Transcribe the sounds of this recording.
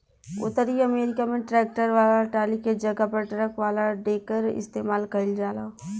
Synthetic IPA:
ʊ̰t̪ːəɾiəmeːɾɪkamẽʈɾɛːk̚ʈəɾʋaːlaʈaːliked͡ʒɐɡapɐɾʈɐɾəkʋaːlaɖeːkəɾɪ̰st̪eːmaːlkəɪld͡ʒaːlaː

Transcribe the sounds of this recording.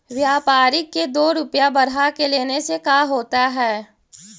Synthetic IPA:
ʋjaːpaːɾɪkːed̪oːɾʊpjabɐɾɦakeleːnesekaːɦoːt̪aɦɛː

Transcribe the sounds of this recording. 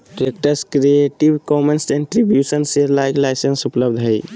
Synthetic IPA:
ʈɾekʈəɾskɾieʈibkɔmensɖeɳʈɾibjusənseɾlajklajsensupləbd̪ʱɦəj

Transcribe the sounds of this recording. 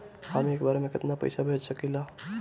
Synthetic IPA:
hameːkbaːɾemẽkɪt̪napə̰jsabʱed͡ʒsəkila

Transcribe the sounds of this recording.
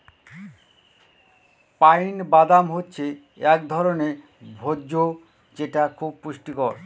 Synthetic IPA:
pajnbad̪amɦotːɕʰe | ɛkd̪ʱɔɾone | bʱodd͡ʑo | d͡ʑeʈakʰub̚puʃʈikoɾ

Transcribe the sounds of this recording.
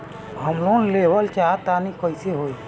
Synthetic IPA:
ɦəmnõleʋəlt͡ʃat̪anikʰɔjseɦoːj

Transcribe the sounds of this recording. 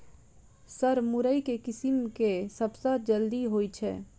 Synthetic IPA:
sɐɾmʊɾəikekɪsɪmkesɐbsad͡ʒɐld̪iɦoːit͡ʃʰɛ̰ː

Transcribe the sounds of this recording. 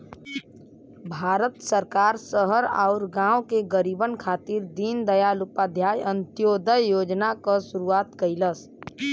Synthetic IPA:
bʱaːɾət̪səɾkaːɾsəɦəɾaːʊɾɡãːwkeɡəɾiːbənkʰaːt̪iːɾd̪iːnd̪əjaːlʊpad̪ʱjaːjə̃nt̪joːd̪əjjoːd͡ʒnakasʊɾuaːt̪kəɪləs

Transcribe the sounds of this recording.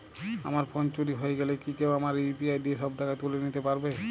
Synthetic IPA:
a̰maɾpʰont͡ɕoɾiɦojeɡɛlekikɛwamaɾpiajd̪ieʃɔbd̪akat̪ulenit̪epaɾbe

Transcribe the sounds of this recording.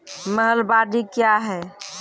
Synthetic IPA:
məɦəlbaɖikjaɦɛ

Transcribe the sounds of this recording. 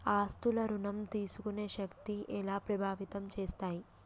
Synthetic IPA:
aːst̪ulɐɾunɐmt̪iːsukune̞ːʃɐkt̪iʔɛlaːpɾɐbʱaːʋit̪ɐmt͡ʃeːst̪aːji

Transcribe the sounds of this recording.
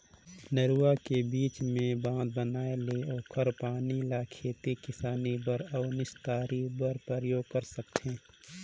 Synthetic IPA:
nəɾuakebiːt͡ʃmẽbãːd̪̚bənaːeleoːkʰəɾpaːnilakʰeːt̪ekɪsaːnibəɾɔːnɪʃt̪aːɾibəɾpɾəɾəjoːɡ̚kəɾsəkt̪ʰẽː

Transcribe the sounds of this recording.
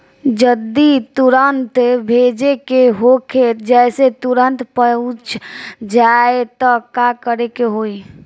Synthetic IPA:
d͡ʒəd̪ːit̪uɾənt̪bʱeːd͡ʒekeɦokʰed͡ʒɛːset̪uɾənt̪pəʊt͡ʃʰd͡ʒaet̪ɔkakəɾekeɦoːi

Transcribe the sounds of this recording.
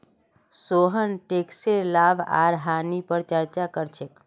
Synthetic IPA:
soɦənʈekseɾlabʱa̰ɾɦanipəɾt͡ʃəɾt͡ʃakəɾt͡ʃʰek

